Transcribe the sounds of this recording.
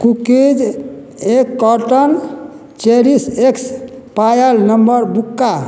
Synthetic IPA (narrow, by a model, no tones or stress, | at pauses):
kukid͡ʒ | ekːɔɾʈən | t͡ʃeɾiseks | pajəlnəmbəɾbukːa